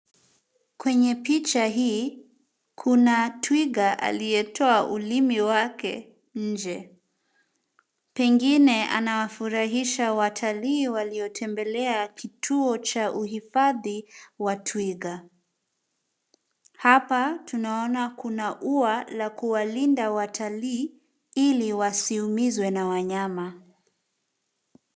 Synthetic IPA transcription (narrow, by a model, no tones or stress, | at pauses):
kwɛɲɛpit͡ʃaɦiː | kʰunatʰwiɡaʔa̰lijɛtʰɔaʔulimiwakɛ̰ | d͡ʒɛ | pɛŋɡinɛa̰nawafuɾaɦiʃawatʰaliːwaliɔtʰɛmbɛlɛakitʰuɔt͡ʃaʔuɦifaðiwatʰwiɣa | hapatunaɔnakunaʔualakuwalindawatʰaliː | iliwasiumizwɛnawaɲama